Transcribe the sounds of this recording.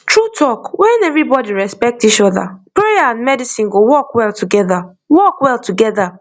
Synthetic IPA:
tɹutʰɔkwɛ̃nɛvɹibɔdiɹɛspɛk̚tit͡ʃɔða̰pɹejaãndmɛdisĩnɡowɔkwɛlˠtuɡɛða | wɔkwɛlˠtuɡɛða

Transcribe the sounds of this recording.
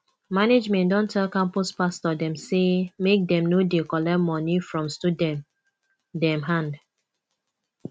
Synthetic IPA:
maned͡ʒmɛ̃ndɔ̃ntʰɛlkãmpuspastɔdɛ̃msemek̚dɛ̃mnodekɔlɛmɔnifɹɔ̃mstudɛ̃m | dɛ̃mɦãnd

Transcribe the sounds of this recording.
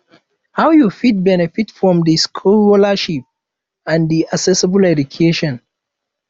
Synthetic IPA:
haʊjufit̚bɛnɛfitfɹɔ̃mdiskʰulɔlaʃip̚ | ãndiasɛsəbəlɛdukʰeʃɔ̃n

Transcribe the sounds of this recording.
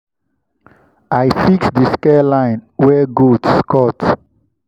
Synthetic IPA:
ajfiksdəskɛlãj̃nwɛɡodskɔt

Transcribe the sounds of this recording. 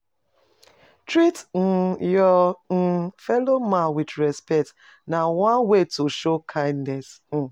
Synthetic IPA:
tɾitn̩jɔn̩fɛlomawidɾɛspɛt | nawãnwetoʃokʰãɪ̃ndnɛsn̩

